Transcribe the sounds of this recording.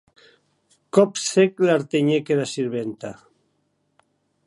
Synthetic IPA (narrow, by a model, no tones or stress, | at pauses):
kɔpseklaɾt̪eɲekeɾasiɾβent̪a